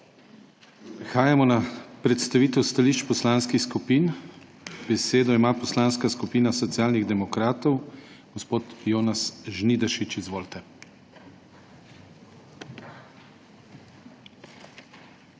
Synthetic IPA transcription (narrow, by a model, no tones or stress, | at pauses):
xaːjamɔnapɾɛt̪st̪aʋiːt̪ɛwst̪aliːʃt͡ʃpɔslanskixskupiːn | b̥ɛseːd̪ɔimaːpɔslaːnskaskupiːnasɔt̪sijaːlniɣd̪ɛmɔkɾaːt̪ɔw | ɡ̥ɔspoːt̪joːnasʒniːd̪ɛʃit͡ʃizʋoːlt̪ɛ